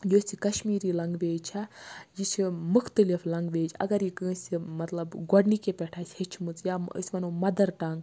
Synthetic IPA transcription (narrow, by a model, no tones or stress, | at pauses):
joːsʲikɐʃmiːɾilɐŋɡʋeːd͡ʒt͡ʃʰɐjit͡ʃʰimuxʰt̪ɨliflɐŋɡʋeːd͡ʒɐ̰ɡɐɾikɨ̃ːsʲimɐt̪lɐbɡɔɖnikepʲɛʈʰaːjsʲhet͡ʃʰimɨt͡sjaə̰sʲmɐnomɐd̪ɐɾʈɐŋɡ